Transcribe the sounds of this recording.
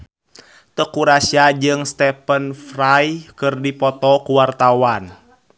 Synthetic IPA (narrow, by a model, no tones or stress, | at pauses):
t̪əkuɾasiad͡ʒɨŋst̪ɛpənfrajkɨrdipɔt̪ɔkuwart̪awan